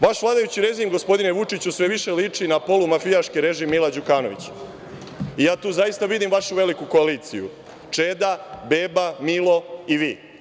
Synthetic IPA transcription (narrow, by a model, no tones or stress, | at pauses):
ʋaʃʋlˠaːd̪ajut͡ɕiɾe̞zimɡo̞spo̞d̪ine̞ʋut͡ʂit͡ɕusʋe̞ʋiʃe̞lit͡ʂinapo̞lumafijaʃkiɾe̞ʒimːilad͡ʑukaːno̞ʋḭt͡ɕ | ijaːt̪uːzajist̪aʋid̪imʋaʃuʋe̞likuko̞aliːt̪sḭjṵ | t͡ʂed̪abeːbamilˠoiʋiː